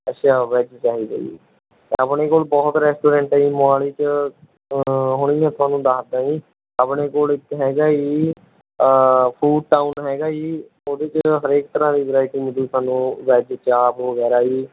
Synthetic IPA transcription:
əʃʰaːʋɛːd͡ʒt͡ʃaːɦiːd̪ḛːḭː | əpɳeːkoːlbɔːt̪ɾɛːsʈoːɾɛ̃ːɳʈaiːmʊaːliːt͡ʃə | ɦʊɽ̃iːãːt̪ʰʊaːnũːd̪aːsd̪ãːiː | əpɽeːkoːlɪkɦɛːɡaːiː | pʰuːɖ̚ʈaːunɦɛːɡaːiː | oːd̪eːt͡ʃəɦəɾeːk̚t̪əɾãːd̪iːʋəɾaːɪʈiːməd͡ʒ̪uːt̪ʰaːnũːʋɛːd͡ʒt͡ʃaːpʋəɡɛːɾaːiː

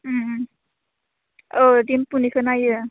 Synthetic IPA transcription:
odimpunikʰɯnajɯ

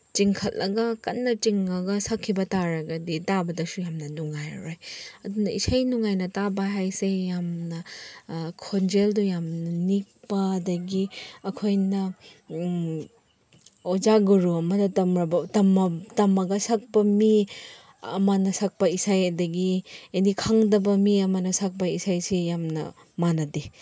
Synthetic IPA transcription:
t͡ʃiŋkʰɐt̚lʔɐɡɐkɐnːɐt͡ʃiŋɐɡɐsɐkʰːibɐtaɾɐɡɐditabɐdɐsujamnɐnuŋajɾojɐdunɐḭsajnuŋajnɐtabɐɦajsejamnɐ | kʰond͡ʒeldujamnɐnik̚pɐːdɐɡiɐkʰojnɐ | ozaɡuɾuɐmɐdɐɐmɾɐbɐtɐmtɐmɐɡɐsak̚pɐmi | ɐ̰mɐnɐsak̚pɐisajɐdɐɡienikʰaŋdɐbɐmiɐmɐnɐsak̚pɐisajsejamnɐ̰ | manɐdi

